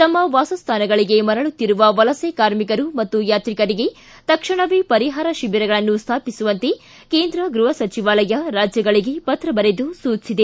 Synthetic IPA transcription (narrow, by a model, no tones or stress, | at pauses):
t̪ɐmːɐʋaːsɐst̪ʰaːnɐɡɐɭiɡe̞mɐɾɐɭut̪ːiɾuʋɐʋɐlɐsekaːɾmikɐɾumɐt̪ːujaːt̪ɾikɐɾiɡe̞ | t̪ɐkʂɐɳɐʋipɐɾiɦaːɾɐʃibiɾɐɡɐɭɐnːust̪ʰaːpisuʋɐnt̪e̞ | keːnd̪ɾɐɡɾuɦɐsɐt͡ʃiʋaːlɐjɐɾaːd͡ʒjɐɡɐɭiɡe̞pɐt̪ɾɐbɐɾed̪usuːt͡ʃsid̪e